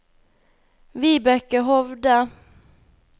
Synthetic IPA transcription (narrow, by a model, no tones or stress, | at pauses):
vɪbɛkːəɦɔvd̪a